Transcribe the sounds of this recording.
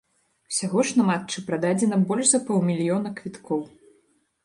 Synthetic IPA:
sʲaɣɔʂnɐmatt͡ʂɨpɾad̪ad͡zʲɛnɐbɔlʲʐzɐpɔwmʲilʲjɔnɐkvʲit̪kɔw

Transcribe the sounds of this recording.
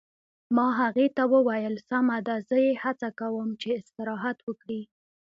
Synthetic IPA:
mɑɦaɣet̪awəwajəlsamad̪azəjehat͡sakawəmt͡ʃeɪst̪ɪɾɑɦat̪wəkɽi

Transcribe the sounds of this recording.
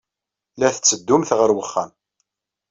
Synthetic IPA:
læθət͡sːəd̪ːumθʁəɾwəχːæ̰m

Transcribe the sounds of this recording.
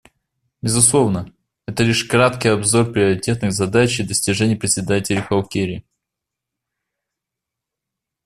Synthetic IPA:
bʲɪzʊslˠo̞vnə | ɛt̪əlʲiʂkɾat̪kʲɪjɐbzo̞rpɾʲɪəɾʲɪtʲe̞t̪nɨɣzɐd̪at͡ɕɪd̪əsʲtʲɪʐɛnʲɪjəpɾʲɪt̪sʲɪd̪atʲɪlʲɪxɐwkʲeɾʲɪ

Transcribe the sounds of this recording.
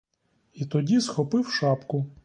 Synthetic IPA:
it̪ɔdʲisxɔpɪwʃɑpkʊ

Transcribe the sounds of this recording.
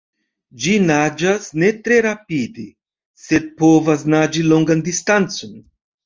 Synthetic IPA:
d͡ʒinad͡ʒasne̞tɾe̞ɾapide | se̞d̪̚po̞vas̬nad͡ʒilo̞ŋɡandistant͡so̞n

